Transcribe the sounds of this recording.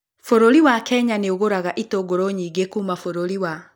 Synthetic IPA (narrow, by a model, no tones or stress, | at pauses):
foɾoɾiwakɛɲaneoɣoɾaɣaʔitoɡoɾoɲiːɡekuːmafoɾoɾiwa